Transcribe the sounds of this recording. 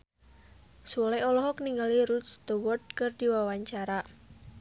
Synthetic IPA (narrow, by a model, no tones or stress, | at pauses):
sulajɔlɔɦɔkniŋɡaliɾut̪st̪əwɔd̪̚kərdiwawaɲt͡ʃaɾa